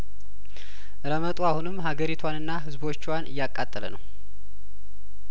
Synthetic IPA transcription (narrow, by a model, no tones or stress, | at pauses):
ɾəmət̪ʼuahunɨmːɦaɡəɾit̪ʰwanɨnːaɦɨzbo̞t͡ʃːwanʔɨjːakʼːat̪ʼːələ̰nə̰w